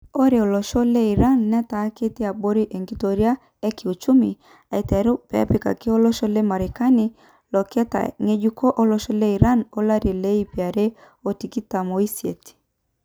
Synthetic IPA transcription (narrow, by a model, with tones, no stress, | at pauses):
o˦ɾe˨o˨lɔ˨ʃɔ˦le˦i˨ɾa˦nːɛ˦ta˨˦ke˦te˦a˨ɓo˦ɾi˦ʔe˨ŋɡi˦to˨ɾja˦ | e˦kɪ˨u˨t͡ʃu˦mi˨ | a˨i˨tɛ˨˦ɾu˦pɛ̰˨a̰˦pi˨ka̰˨kɪ˦o˦lɔ˦ʃɔ˦le˦ma˨ɾe˨ka˦ni˦ | lɔ˨kɛ˦ta̰˨ŋe˦d͡ʒu˦kɔ˦ʔo˦lɔ˨ʃɔ˦le˦i˨ɾa˦no˦la˦ɾi˨le˦i˦pi˨a˨ɾe˦ | o˨ti˨ki˦ta˨mo˨i˦sje˨ti̥˨